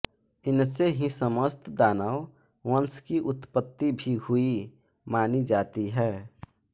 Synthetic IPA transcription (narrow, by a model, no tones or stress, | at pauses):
ɪnseɦĩsəməst̪d̪aːnaʊwənskiʔʊt̪pət̪ːibʱihʊimaːnid͡ʒaːt̪iɦɛː